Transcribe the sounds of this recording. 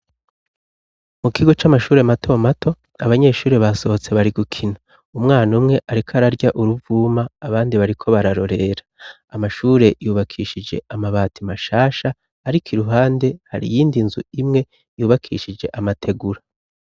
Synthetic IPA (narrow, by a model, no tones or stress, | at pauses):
mukʰiɡo̞t͡ʃamaʃuːɾe̞matʰo̞matʰo̞ | aβaɲe̞ːʃuːɾe̞βaso̞ot͡se̞βaɾiɡukʰina | umŋaːnumŋe̞ʔaɾikʰaɾaɾɟaʔuɾuvuːmaːβaːndiβaɾikʰo̞βaɾaɾo̞ɾe̞eɾaː | maʃuːɾe̞juːβakʰiːʃid͡ʒe̞̰amaβaːtʰimaʃaːʃaː | ɾikʰiɾuɦaːnde̞ha̰ɾḭjiːndinzṵimŋe̞ | juːβakʰḭʃid͡ʒe̞ʔamatʰe̞ɡuɾa